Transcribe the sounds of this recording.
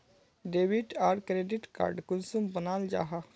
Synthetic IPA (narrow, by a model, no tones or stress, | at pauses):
ɖeːwiʈaːɾɖkɾeːɖiʈka̰ːɾɖkunsumbɐnaːld͡ʒa̰ːɦa